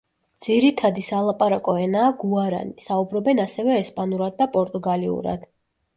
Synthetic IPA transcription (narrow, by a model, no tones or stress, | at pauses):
d̪z̥iɾit̪ʰad̪isalˠapʼaɾakʼɔɛnaːɡuaɾa̰nisaubɾɔbɛnasɛvɛːspʼanuɾad̪̚ːapʼɔɾt̪ʼuɡaliṵɾa̰d̪̥